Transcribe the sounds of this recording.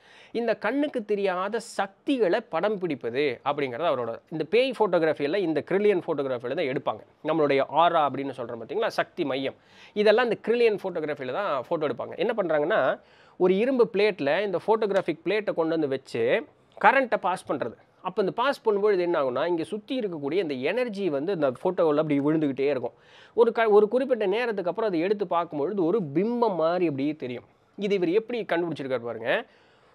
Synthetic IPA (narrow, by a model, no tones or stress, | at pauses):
ɪnd̪ɐkɐɳːɯkːɯt̪ːɛɾɪjaːðɐsɐk̚t̪ɪɣɐɭɐpɐɽɐmpɪɽɪpːɐðɯɐpːɐɽɪŋɡɪɾɐðɯɐʋɐɾoːɽɐɪnd̪ɐpeːjfoːʈːoːɣɾaːfijɐlɐ̃ɪnd̪ɐkɪɾɪlɪjɐnfoːʈːoːɣɾaːfilɐt̪ãːɛɽɯpːa̰ːŋɡɐ | nɐmːɐɭʊɽɐjɐʔaːɾaːɐpːɐɽɪnːɯsɔlrɐ̃paːt̪ːɪŋɡɐlaːsɐk̚t̪imɐjːɐm | ɪðɛlːãːɪnd̪ɐkɪɾɪlɪjɐnfoːʈːoːɣɾaːfilɐt̪ãːfoːʈːoːɛɽɯpːa̰ːŋɡɐ̰ʔɛnːɐp̬ɐɳːɾaːŋɡɐnːaː | ɔɾɯɪɾɯmbɯpɪleːʈːɪlɐɪnd̪ɐfoːʈoːɡɾaːfɪk̚pɪleːʈːɐkɔɳɖɐnd̪ɯʋɐt͡ʃːɯ | kɐɾɛɳʈːɐpaːspɐɳːɾɐðɯ | ɐpːoːɪnd̪ɐpaːspɐɳːɯmboːðɯɐðɛnːaːɣɯnːaːɪŋɡeːsʊt̪ːɪɪɾɯkːɐkːuːɽijɐɪnd̪ɐɛnɐɾd͡ʒiʋɐnd̪ɯɐnd̪ɐfoːʈːoːlɐp̬ːɐɽɪjʋɪɻɯnd̪ɯkɪʈːeːɪɾɯkːʊ̰̃ | ɔɾɯkɐɔɾɯkʊɾɪp̬ːɪʈːɐneːɾɐt̪̬ːɯkːɐpːɯɾɔ̃ɐðɯɛɽɯt̪ːɯpaːɾkɯmpoːɻɯðɯɔɾɯbɪmːɐmːaːɾiɛp̬ːɐɽɪjeːt̪ɛɾɪjʊ̰̃ | ɪðɯɪʋɐɾɯɛpːɐɽikɐɳɖɯpɪɽɯt͡ʃːɪɾɯkːaːɾpa̰ːɾɯŋɡɐ